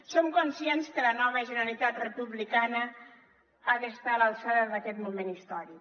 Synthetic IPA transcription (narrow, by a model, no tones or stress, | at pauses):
somkunsiɛnskələnɔβəʒənəəlit̪at̪rəpuβlikanə | aðəst̪aləlˠsaðəðəkɛt̪mumenist̪ɔɾik